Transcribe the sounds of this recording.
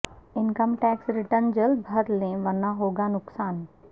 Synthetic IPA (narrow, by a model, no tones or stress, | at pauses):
ɪnkəmʈɛːksɾɪʈəɾnd͡ʒɐlbʱɐɾlẽʋɐɾnaɦoːɡanʊksaːn